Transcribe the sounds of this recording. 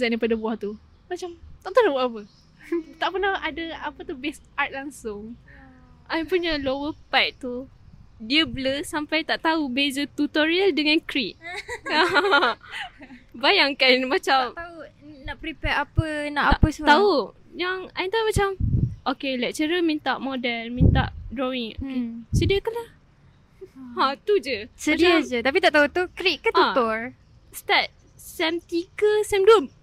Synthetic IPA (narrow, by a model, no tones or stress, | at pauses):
zaʔdapadabwaht̪u | mat͡ʃamt̪aʔt̪anabʔapə | t̪aʔpənahadəapət̪ubɛsat̪̚laŋsʊŋ | ʔajmpuɲəlowəpajt̪̚t̪u | diəbləsampajt̪aʔt̪aubezət̪ut̪oɾialdəŋankɾiʔ̚aɦ | bajaŋkanmat͡ʃamt̪aunaʔpɾipɛɾapənaʔapəsət̪au | jaŋaint̪aumat͡ʃamʔokelɛʔ̚t͡ʃəɾəmint̪aʔmodɛlmĩnt̪a̰ʔdɾowiŋokesədiəkəlah | hãt̪ud͡ʒəsədiəd͡ʒət̪ap̬it̪aʔt̪aut̪ukɾiʔkət̪ũt̪ɔr | st̪at̪̚ | sɛmt̪iɡəsɛmduəm